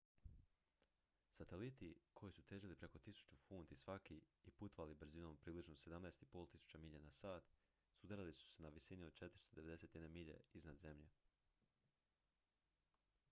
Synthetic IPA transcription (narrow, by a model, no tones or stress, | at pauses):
sat̪elit̪ikʰo̞jisut̪eːʒilipɾe̞ko̞t̪isu̥t͡ɕufuːnt̪isʋakiiput̪ʋalibɾ̩zino̞mpɾiːblit͡ʃnose̞d̪amnaeːst̪ipo̞lˠt̪isu̥t͡ɕamiʎenasaːt̪ | sud̪aɾalisu̥senaʋisinio̥t͡ʃe̞t̪ɾist̪od̪e̞ʋe̞d̪e̞se̞t̪jed̪nemiʎḛiznad̪ze̞mʎḛ